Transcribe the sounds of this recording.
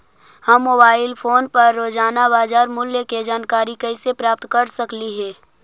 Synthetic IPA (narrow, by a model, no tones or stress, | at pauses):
hɐmːoːbaːɪlpʰoːnpɐɾːoːd͡ʒaːnabaːd͡ʒaːɾmʊljəked͡ʒaːnkaːɾikɐɪsepɾaːp̚t̪kɐɾsɐkliɦɛː